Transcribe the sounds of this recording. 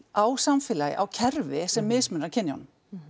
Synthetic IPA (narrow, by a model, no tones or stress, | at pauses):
awsamfɪːlajɪ̰ʔawcʰɛɾvɪsɛmːɪðsmʏnɾaɾcʰɪnːjɔ̰n